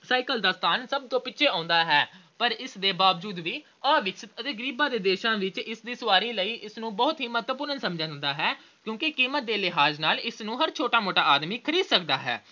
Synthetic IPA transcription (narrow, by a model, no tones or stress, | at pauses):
saːɪkəld̪aːst̪ʰaːnsəb̚t̪õːpɪtːʃʰeːãːnd̪aːɦɛːpəɾɪsd̪eːbaːʋd͡ʒuːd̪ʋiː | ãːʋɪksʰət̪ət̪eːɡəɾiːbãːd̪eːd̪eːʃãːʋɪt͡ʃɪsd̪iːsʊʋaːɾĩːləiːʔɪsnũːbəːʊt̪ɦiːmət̪ʋəpʊɾənsəmd͡ʒãːnd̪aːɦɛː | kjõːkɪkiːmət̪̚d̪eːlɪɦaːznaːlɪsnũːɦəɾt͡ʃʰoːʈaːmoːʈaːʔaːd̪miːkʰəɾiːd̪səkd̪aːɦɛ̰ː